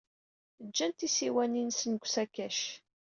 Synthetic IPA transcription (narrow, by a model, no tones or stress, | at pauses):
d͡ʒːænt̪isiwæninsənɡʷsækːæʃ